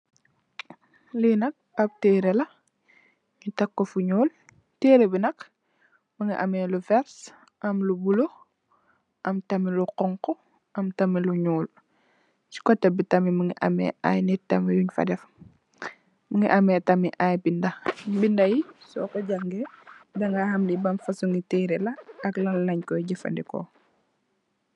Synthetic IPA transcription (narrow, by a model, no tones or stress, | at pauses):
linɐk̚ap̚teːɾɛlɐ | ɲitɐkːɔfuɲoːl | teːɾebinɐk | məŋɡiʔɐ̰mɛlufɛɾs | ʔɐmlubulo | ʔɐmtɐmiluqɔŋkɔ | ɐmtɐmiluɲuːl | t͡ʃi̥kɔtːɛbitɐmimuŋɡḭʔɐ̰mɛ̰a̰jnitɐmijuɲfɐ̰dɛf | məŋḭʔɐmɛtɐmiʔajbindɐbindɐjisɔ̰kɔɟaŋɡɛdɐŋɡahɐmlibɐnfɐsuŋɡiteːɾelɐɐklɐlnɐɲkɔɟifɐ̰ndikɔ̰